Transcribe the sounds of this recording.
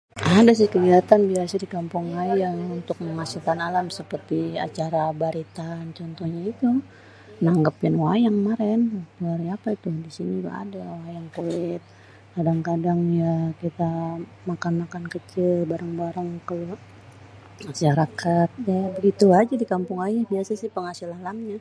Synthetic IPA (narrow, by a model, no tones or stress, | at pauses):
ʔadas̬ɪhkəɡiat̪anbiasadikampʊŋajaŋunt̪ʊk̚məmasukanalamsəpərt̪ia̰t͡ʃaɾabaɾit̪ant͡ʃɔnt̪ɔhɲait̪u | ənaŋɡapɪnwajaŋmaɾɛnpəluarjapait̪ʊdisiniɡa̰a̰dawajaŋkulɪt̪̚ | kadaŋkadaŋjakit̪a | makanmakankət͡ʃɪlbaɾaŋbaɾaŋkəlo | asiaɾakat̪̚jabəɡit̪uad͡ʒadikampʊŋajahbiasasɪhpəŋasɪlalamɲa